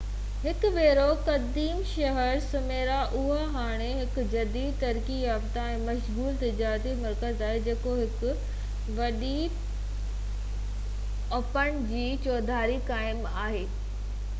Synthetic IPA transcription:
ɦɪkʊʋeːɾokɐd̪iːmʃɐɦəɾsʊmeːɾaʔʊɦoɦaːɽ̃eɦɪkʊd͡ʑɐd̪iːt̪ɐɾkijaːbt̪aɛ̃ːmɐʃɣuːlt̪ɪd͡ʑaːɾt̪imɐɾkəzaːɦed͡ʑeːkoɦɪkʊ̆ | ʋɐɗi | ɐpəɽ̃d͡ʑiːt͡ɕoːd̪ʱaːɾikaːɪmaːɦeː

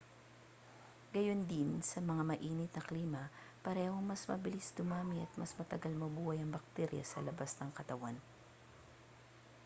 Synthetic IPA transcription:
ɡɐjo̞nd̪ɪnsɐmɐŋamɐʔiːnɪt̪̚nɐkliːmɐ | pɐɾɛːho̞ŋmɐsmɐ̰bɪlisd̪ʊmaːmɪɐt̪̚mɐsmɐt̪ɐɡalmɐbuːhɐjɐŋbɐk̚t̪ɛɾjɐ̰sɐlɐbasnɐŋkɐt̪ɐwan

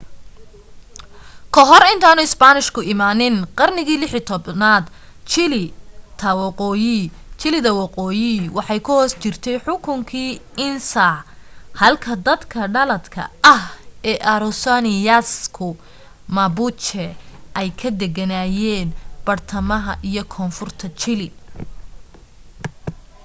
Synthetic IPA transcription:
kʰɔɦɔrɪnt̪ʰaːnʊɪsbanɪʃkʰʊɪmaːnɪnqɑrnɪɣiːlɪħit̪ʰɔbnaːd̪ | t͡ʃɪlɪt̪ʰɐwɑqɔːjɪ | t͡ʃɪlɪðɐwɑqɔːjɪwɑħɑjkʰʊhɔːst͡ʃɪrt̪ʰɛjħʊkʰʊŋkʰiːʔɪnsɐhɐlkʰɐd̪ɐd̪kʰɐɖɐlɐd̪kʰɐ̰ɐhɛːʔɐɾʊsanɪjaskʰʊ | mabʊt͡ʃɛʔɛjkʰɐd̪ɛɡɐnaːjɛːnb̥ɐrt̪ʰɐmɐɦɐ̰ʔijɔkʰɔːnfʊrt̪ʰɐt͡ʃɪlɪ

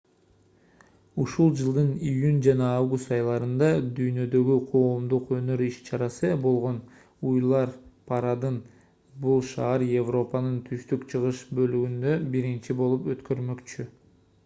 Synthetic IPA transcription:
uʃulˠd͡ʒɯlˠd̪ɯnijunʲd͡ʒɑnɑɑvɡust̪ɑjlˠɑɾɯnd̪ɑd̪yjnø̞d̪ø̞ɡyqʰo̞ːmd̪uqø̞nø̞ɾiʃt͡ʃɑɾɑsɯbo̞lˠʁo̞n | ujlˠɑɾpʰɑɾɑd̪ɯn | bulˠʃɑːɑɾje̞vro̞pɑnɯnt̪ʰyʃt̪ykt͡ʃʰɯʁɯʃbø̞lyɡynd̪øbiɾint͡ʃibo̞lˠupø̞t̪kø̞ɾmø̞kt͡ʃy

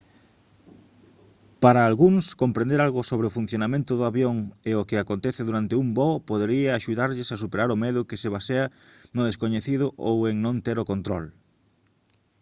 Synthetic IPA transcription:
paɾɐːlɣuŋskompɾẽnd̪eɾalɣʊsoβɾeofun̟θjonamẽnt̪ʊðʊaβjoŋeokɪakont̪eθɪðuɾant̪ɪumbɔpoðeɾiɐaʃuðaɾʎɪsasupeɾaɾʊmeðʊkɪseβaseɐ | nʊðeskoɲeθiðʊʔo̰weŋnõnt̪eɾokont̪ɾɔl

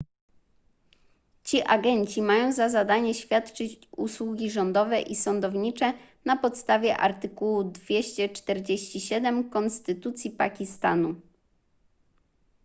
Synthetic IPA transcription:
t͡ɕiʔaɡɛɲt͡ɕimajɔ̃w̃zazad̪aɲɛɕfʲjat̪t͡ʂɘt͡ɕṵswuɡʲiʐɔnd̪ɔvɛʔisɔnd̪ɔvɲit͡ʂɛ | napɔt̪st̪avʲjɛʔaɾt̪ɘkuwud̪vʲjeɕt͡ɕɛt͡ʂt̪ɛɾd͡ʑeɕt͡ɕiɕɛd̪ɛmkɔnst̪ɘt̪ut̪sʲjipa̰kʲist̪a̰nu

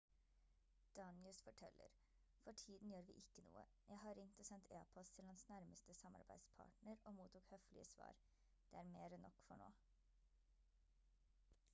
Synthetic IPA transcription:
d̪̥ɑnɪəsfɔʈʰɛlːʔə̰ɾ | fɔʈʰiːd̪n̩jøːɾʋḭːʔɪkːənṵːə̰ | jʔæɪɦɑɾɪŋt̪oːsɛnt̪ʰḛːpʰɔst̪ʰɪlhɑnsnæɾməst̪əsɑmɑ̰ɾbæ̰ɪd̪spʰɑ̰ːʈɳəɾoːmuːt̪ʰuːkhœflɪ̰əsʋɑ̰ːɾ | d̪̥eːæːɾmeːɾənʔɔ̰kːfɔɳo̰ː

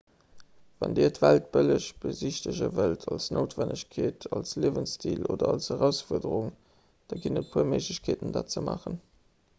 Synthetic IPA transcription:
vɑndiːɐtvælt̚b̥ələɕb̥əziɕtəʑəvəltʰɑlsnʔoʊtv̥ændəɕkʰeːtʰɑlsliəvənstʰiːloːdɐɑlshəʁæʊsfuɐdəʀuŋ | d̥ɑːɡinət̚pʰuɐməɪʒləɕkʰeːtəndaːt̚t͡səmɑ̰ːχən

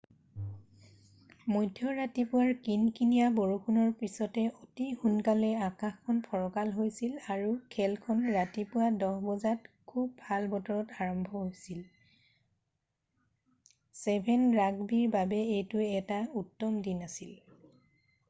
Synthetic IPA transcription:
mojdʱːɔɹatipʊwaɹkinkinijaboɹukunɔɹpisɔtɛʔotixunkalɛakãxkʰːɔnpʰɔɹɔkalɦojsilaɹukʰɛlkʰɔnɹatipʊwadɔhbɔzatkʰub̚bʱalbɔtɔɹɔtaɹɔmbʱɔɦojsil | sɛbʱɛnɹaɡbiɹbabɛejtʊɛtautːɔmdinasil

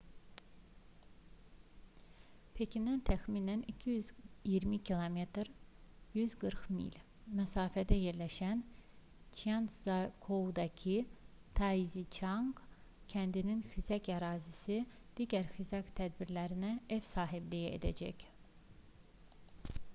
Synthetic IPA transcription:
pʰecʰinænt̪ʰæxminænicʰijyzijiɾmicʰilˠome̞t̪ɾjyzɡɯɾqmḭlʲ | mæsɑːfæd̪æje̞ɾlæʃæn | t͡ʃʰiant̪zɑkʰod̪ɑcʰi | t̪ʰɑizit͡ʃʰɑŋɡ | cʰænd̪ininxizæcɑɾɑːzisi | d̪̥iːɟæɾxizæct̪ʰæd̪biɾlæɾinæefsɑːɦiblijiḛd̪æ̰d͡ʒæ̰c

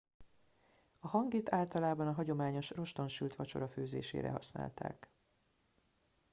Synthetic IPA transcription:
ɒhɒŋɡit̪aːlt̪ɒlaːbɒnɒɦɒɟo̞maːɲo̞ʃro̞ʃt̪o̞nʃylt̪ʋɒt͡ʃo̞̰ɾɒføːzḛːʃḛːɾɛ̰ɦɒ̰sna̰ːlt̪a̰ːk

